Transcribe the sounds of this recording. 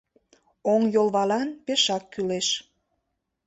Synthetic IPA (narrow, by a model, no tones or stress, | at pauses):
oŋjolˠβɑlɑnpeʃɑkːyleʃ